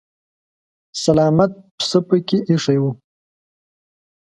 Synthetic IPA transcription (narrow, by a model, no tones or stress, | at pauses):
salɑːmat̪̚pə̥səpəkʲeʔiʂajwu